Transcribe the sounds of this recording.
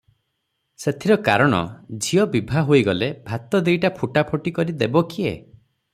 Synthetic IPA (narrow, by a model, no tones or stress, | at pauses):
set̪ʰiɾɔka̰ɾɔɽ̃ɔ̰d͡ʒʱiɔbibʱaɦoiɡɔlebʱat̪ɔd̪ejʈapʰuʈapʰɔʈikɔɾid̪ebɔkiḛ